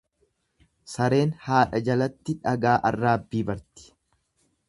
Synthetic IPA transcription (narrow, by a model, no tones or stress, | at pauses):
sɐɾe̞ːnhaːᶑɐd͡ʒɐlɐt̪ːɪᶑɐɡaːʔɐrːaːbːiːbɐɾt̪ɪ̥